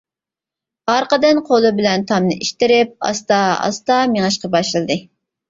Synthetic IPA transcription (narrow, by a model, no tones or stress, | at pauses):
hɑɾqəd̪ɨnqʰolˠɨbɪlɛnt̪ʰɑmnɨ̰ʔiʃt̪ɪɾɪp̚ɑ̰st̪ɑɑ̰st̪ɑmeŋɑʃqɑbɑʃlˠɨd̪ɨ